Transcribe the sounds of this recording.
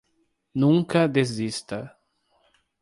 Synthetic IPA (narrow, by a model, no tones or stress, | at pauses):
nũŋkɐd̪ezist̪ɐ